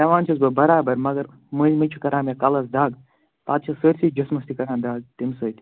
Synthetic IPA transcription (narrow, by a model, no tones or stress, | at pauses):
tɐʋaːnt͡ʃʰɐsbɐbɐɾaːbɐɾmɐɡɐɾ | mɨzʲmɨt͡ʃʰukɐɾaːmjakɐlɐsd̪aːɡ | t̪aːt̪̚t͡ʃʰɐsəɾʲsid͡ʒɐsmɐst̪ikɐɾãːnd̪aːɡ̚t̪imsəːt̪ʲ